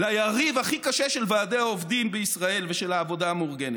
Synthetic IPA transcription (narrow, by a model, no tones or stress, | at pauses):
lajaʁivhaχikaʃeʃelvaːdeaovdimbeisʁae̞lveʃelaːvo̞daːmuʁɡe̞net